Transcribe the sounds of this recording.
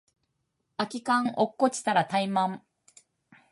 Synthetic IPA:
akʲikãŋʔokːot͡ɕi̥t̪aɾat̪aimãm

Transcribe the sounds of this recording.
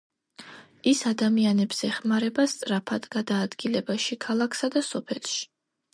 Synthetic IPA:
isad̪amianɛbz̥ɛχmaɾɛbast̪sʼɾapʰad̪ɡad̪aːd̪ɡilɛbaʃikʰalˠakʰsad̪asɔpʰɛlˠʃi̥

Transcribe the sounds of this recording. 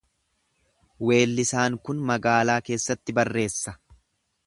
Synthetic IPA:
we̞ːlːɪsaːŋkʊnmɐɡaːlaːke̞ːsːɐt̪ːɪbɐrːe̞ːsːɐ

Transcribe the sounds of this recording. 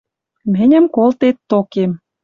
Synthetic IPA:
mɘ̆nʲə̆mkolt̪et̪ːokem

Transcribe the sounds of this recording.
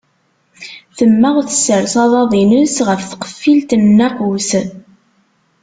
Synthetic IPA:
θəmːəʁθə̥sːəɾsɑðˤɑðˤinəsʁəfθə̥qə̥fːilt̪ənːæqus

